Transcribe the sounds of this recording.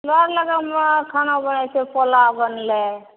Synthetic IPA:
lɔɾləɡamkʰanabənat͡ʃʰepɔlabənle

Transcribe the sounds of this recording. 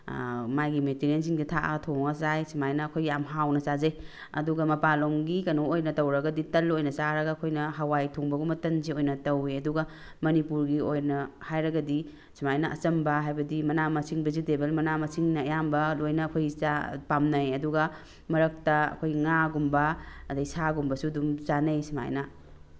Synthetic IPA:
majɡimetiɾiens̬iŋditʰaʔɐ̰tʰoŋɐsajsimajnɐːkʰojːamɦawnɐsazɐj | ɐ̰duɡɐmɐpaloŋɡikɐnuojnɐtɐwɾɐɡɐditɐlojnɐsaɾɐɡaːkʰojnɐɦɐwajtʰoŋbɐɡumɐtɐnziojnɐtɐweɐduɡɐ | mɐnipuɾɡiojnɐhajɾɐɡɐdi | simajnaʔɐ̰t͡ʃɐmbɐɦajbɐdimɐnamɐsiŋbɐzidebelmɐnamɐsiŋnɐːjambɐlojnɐːkʰojt͡ʃapamnɐjɐduɡɐ | mɐɾɐk̚tɐɐ̰kʰojŋaɡumbɐɐdɐjsaɡumbɐsudumt͡ʃanejsima̰jna

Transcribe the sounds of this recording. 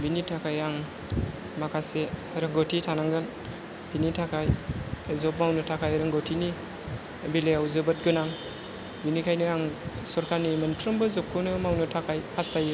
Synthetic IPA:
binitʰakʰajaŋ | makʰase | ɾɯŋɡotʰitʰanaŋɡɯn | binitʰakʰajzɔp̚mawnɯtʰakʰajɾɯŋɡotʰini | bileawzɯbɯt̚ɡɯnaŋ | binikʰajnɯaŋsɔɾkʰaɾnimənpʰɾɯmbɯzɔp̚kʰːɯnɯmawnɯtʰakʰajpʰastʰajɯ

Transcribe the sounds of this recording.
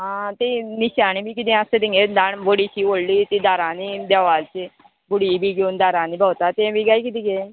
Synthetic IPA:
ɦãːt̪enɪʃaːñĩbʱiːkɪd̪iãsed̪ĩŋɡed̪aɳboɽiːt͡ʃiːoːlliːt̪iːd̪aːɾãːniːbjaːʋaːlt͡ʃ | bʊɽiːbʱiːɡoːnd̪aːɾãːniːbaːt̪at̪ẽbiːɡaːiːkɪd̪ĩɡeː

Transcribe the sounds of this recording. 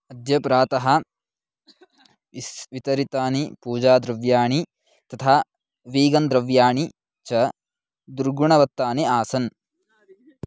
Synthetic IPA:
ɐd̪jɐpɾaːt̪ɐɦɐ | ʋit̪ɐɾit̪aːnipuːd͡ʒaːd̪ɾɐʋjaːɳi | t̪ɐt̪ʰaː | ʋiːɡɐnd̪ɾɐʋjaːɳi | t͡ʃɐ | d̪uɾɡuɳɐʋɐt̪ːaːniaːsɐn

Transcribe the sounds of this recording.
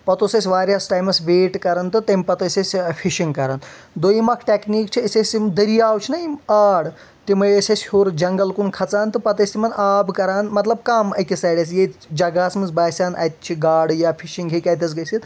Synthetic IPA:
pɐt̪osesʲʋaːɾjaːsʈaːjmɐsʋeːʈkɐɾɐnt̪ɨt̪emʲpɐt̪ɐsʲesʲfʰiʃiŋɡkɐɾɐn | d̪ojimɐkʰʈekniːkt͡ʃʰiesʲesʲimd̪əɾijaːwt͡ʃʰinajaːɽ | t̪imɨjesʲesʲhoːɾd͡ʒɐŋɡɐlkunkʰɐt͡saːnt̪ɨpɐt̪ɐsʲt̪ʰimɐnaːbkɐɾaːnmɐt̪lɐbkamɐkʲisajɽɐs̬jed͡ʒɐɡaːsmɨnzbaːsʲaːnʔa̰jt̪̚t͡ʃʰiɡaːɽjapʰiʃĩŋɡɦekʲaːjt̪ɐsɡɐjsit̪

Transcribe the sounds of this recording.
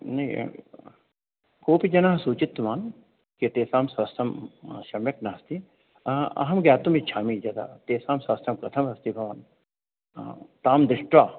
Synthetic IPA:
nɐĩ | koːpid͡ʒɐnaːɦsuːt͡ʃit̪ːmaːn | ket̪eːsaːmsʋɐst̪ʰɐmʃɐmjɐknɐɦɐst̪i | ɐ̰ɦɐmɡaːt̪umit͡ʃʰaːmid͡ʒɐd̪a̰ːt̪eːsaːmsɐst̪ʰɐmkɐt̪ʰɐmɐst̪ibʱɐʋaːn | t̪aːmd̪ɾɪʂʈʋaː

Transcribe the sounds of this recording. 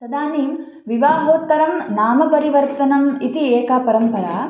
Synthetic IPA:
sɐd̪aːniːm | ʋiʋaːɦoːt̪ːɐɾɐmnaːmɐpɐɾiʋɐɾt̪ɐnɐmit̪ieːkapɐɾɐmpɐɾaː

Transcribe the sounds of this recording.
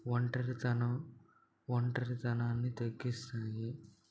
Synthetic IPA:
ʋɐɳʈɐɾit̪ɐnɐ | ʋɐɳʈɐɾit̪ɐnaːnːit̪ɐɡːist̪aːɡi

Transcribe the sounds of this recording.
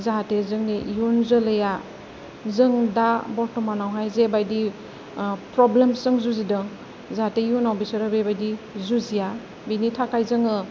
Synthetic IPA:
zaɦatezɯŋnijunzɯlɯja | zɯŋdabɔɾtɔmanawɦajzebajdi | pɾɔblemsɯŋzuzidɯ | zaɦatejunawbisɔɾɯbebajdizuzija | binitʰakajzɯŋɯ

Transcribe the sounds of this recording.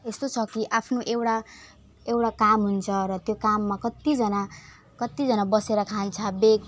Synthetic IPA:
est̪ot͡sʰʌkiʔapʰnoʔewɽa | ewʈakamɦunt͡sʰʌɾʌt̪jokamːakʌt̪id͡zʌna | kʌt̪ːid͡zʌnabʌseɾʌkʰant͡sʰʌbek

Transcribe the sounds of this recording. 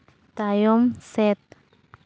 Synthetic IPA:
t̪ajomsɛt̪

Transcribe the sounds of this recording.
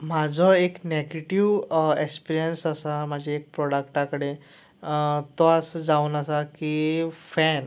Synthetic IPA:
mad͡zʱɔekneɡeʈiʋekspiɾijənsəsamad͡ʑʱaek̚pɾɔɽak̚ʈakəɽe | t̪ɔasd͡zauːnəsakifɛn

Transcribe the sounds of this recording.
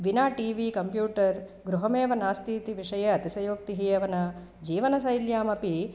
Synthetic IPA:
ʋinaːʈiːʋikɐmpjuːʈɐɾ | ɡɾuɦɐmeːʋɐnaːst̪ʰiːt̪iʋiʂɐjɐɐt̪isɐjoːk̚t̪iɦijɐʋɐnɐ | d͡ʒiːʋɐnɐsɐjljaːmɐpi

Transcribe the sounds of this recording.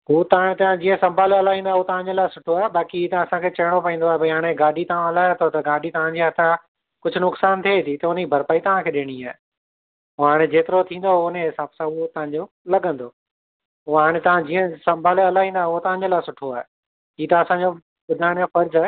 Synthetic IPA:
ɦut̪ɐʋãːɽ̃et̪ɐʋãd͡ʑiːə̃sɐ̃mbʱaːleɐlaːɦĩːnd̪auot̪ɐʋ̤ãɲd͡ʑelaːɪsʊʈʰoaːɦeɓaːkiiːt̪ɐ̃ɐsãkʰeːt͡ɕɐɪɽ̃opɐ̃ĩːnd̪oaɦebɐɦaːɽ̃eɡaːɖʱit̪ɐʋ̤ãɐlaːjot̪ʰot̪ɐɡaːɖʱit̪ɐʋ̤ãɲd͡ʑiɐt̪ʰa | kʊd͡ʑʱʊnʊksaːnt̪ʰet̪ʰit̪ɐʊnibʱɐɾpaːit̪ɐʋ̤ãkʰeːɗɪɽ̃iaːɦe | ʊɦaːɽ̃ed͡ʑeːt̪ɪɾot̪ʰĩːnd̪oɦʊneɦɪsaːbsãʊot̪ɐʋ̤ãɲd͡ʑo | lɐɠə̃nd̪oː | uɦaːɽ̃et̪ɐʋ̤ãd͡ʑiːə̃sɐ̃mbʱaːleɐlaːɦĩːnd̪aɦeʊot̪ɐʋ̤ãɲd͡ʑelaːɪsʊʈʰoaːɦe | iːt̪ɐːsãɲd͡ʑo | ɓʊd̪ʱaːɽ̃jãfɐɾd͡ʑaːɦe

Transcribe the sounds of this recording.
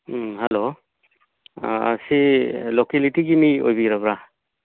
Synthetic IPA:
halo | silokelitiɡimio̰jbiɾabɾa

